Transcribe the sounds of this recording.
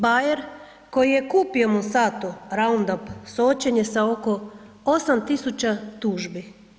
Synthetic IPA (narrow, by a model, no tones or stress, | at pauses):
bajeɾ | ko̞jije̞kuːpiomosaːt̪uɾaund̪opsoot͡ɕe̞ɲe̞saoko̞ | osamt̪isut͡ɕat̪uːʒbi